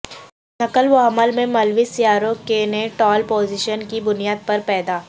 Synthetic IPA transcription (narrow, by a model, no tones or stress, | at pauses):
nɐkəlʋɐɦməlmẽmɐlʋisijaːɾokeneʈɔːlpoːzɪʃənkibʊnijaːd̪̚pɐɾpɛːd̪aː